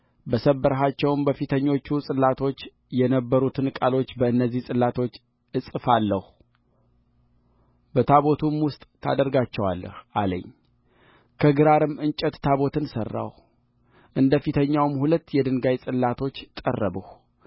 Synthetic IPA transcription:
bəsəbːəɾɦat͡ʃːɛwɨmbəfit̪ʰəɲːo̞t͡ʃːusʼɨlːat̪ʰo̞t͡ʃː | jɛnəbːəɾut̪ʰɨnkʼalo̞t͡ʃːbəɨnːəzːihsʼɨlːat̪ʰo̞t͡ʃː | ɨsʼɨfalːəhu | bət̪ʰaβo̞t̪ʰumwʊst̪ʼt̪ʰa̰d̪əɾɡat͡ʃːɛwa̰lːə̰hʔalə̰ɲː | kʰəɡɨɾaɾɨmɨnt͡ʃʼɛt̪t̪ʰaβo̞t̪ʰɨnsə̰rːa̰w | ʔɨnd̪əfit̪ʰəɲːawmhulət̪ːjɛd̪ɨnɡajsʼɨlːat̪ʰo̞t͡ʃːt̪ʼə̰rːəbəh

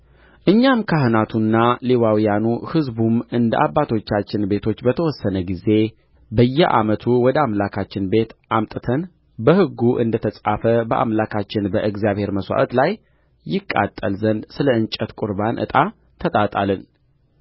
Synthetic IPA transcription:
ʔɨɲːamkʰahɨnat̪ʰunːalewawijanuhɨzbumɨnd̪əʔabːat̪ʰo̞t͡ʃːat͡ʃːɪnbe̞t̪ʰo̞t͡ʃːbət̪ʰəwɔsːənəɡize̞ | bəjːɛʔa̰mət̪ʰuwɔd̪əamlakʰat͡ʃːɪnbe̞t̪ʔamt̪ʼɨt̪ʰən | bəhɨɡːuʔɨ̰nd̪ət̪ʰəsʼafəbəʔa̰mlakʰat͡ʃːɪnbəʔɨɡzjaβhe̞ɾməswa̰ʔət̪laj | jːɪkʼːa̰t̪ʼːə̰lzənd̪sɨləɨnt͡ʃʼət̪kʼuɾbanʔɨ̰t̪ʼa | t̪ʰət̪ʼat̪ʼalɨn

